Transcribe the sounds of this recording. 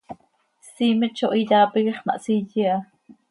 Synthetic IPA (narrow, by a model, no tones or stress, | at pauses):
siːmət͡ʃoʔijaːpiɡiχma̰ʔsijia